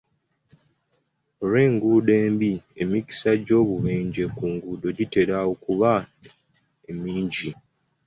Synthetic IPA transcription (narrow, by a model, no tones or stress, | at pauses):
ɾeːŋɡuːde̞ːmbie̞mici̥saɟo̞ːβuβeːɲɟekuːŋɡuːdo̞ɟite̞ɾawokuβa | emiːɲɟi